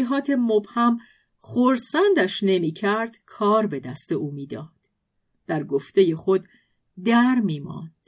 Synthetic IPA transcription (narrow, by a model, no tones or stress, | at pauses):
iɦɒːt̪ʰe̞mobhæm | χoɾsænd̪æʃne̞miːcʰæɾd̪̥kʰɒːɾbe̞d̪æst̪e̞ʔuːmiːd̪ɒːd̪̥ | d̪̥æɾɡoft̪e̞je̞xo̞d̪ː | æɾmiːmɒ̰ːnd̪̥